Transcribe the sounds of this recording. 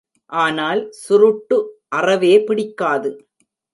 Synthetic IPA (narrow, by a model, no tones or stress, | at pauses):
ʔaːnaːlsʊɾʊʈːɯʔɐrɐʋeːpɪɽɪkːaːðɯ